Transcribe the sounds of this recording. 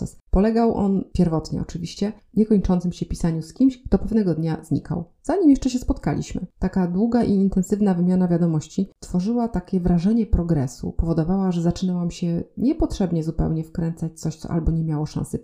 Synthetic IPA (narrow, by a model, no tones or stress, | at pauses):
ɛ̰spɔlɛɡawʔɔ̰npʲjɛɾvɔt̪ɲɛ̰ɔ̰t͡ʂɘvʲiɕt͡ɕɛɲɛkɔɲt͡ʂɔnt̪sɘmɕɛpʲisaɲuskʲimɕkt̪ɔpɛvnɛɡɔd̪ɲazɲḭka̰w | z̥aɲimjɛʂt͡ʂɛɕ̬ɛspɔt̪ka̰lʲḭɕmɘ̰t̪akad̪wuɡaʔiːnt̪ɛnsɘvnavɘmʲjanavʲjad̪ɔmɔɕt͡ɕist̪fɔʐɘwat̪akʲɛvɾaʐɛɲɛpɾɔɡɾɛsṵpɔvɔd̪ɔvawaʐɛzat͡ʂɘnawamɕɛɲɛpɔt̪ʂɛbɲɛzupɛ̰wɲɛfkɾɛnt̪sat͡ɕt̪sɔɕt̪ɔ̰ʔa̰lbɔɲɛmʲjawɔʂã̰sɘ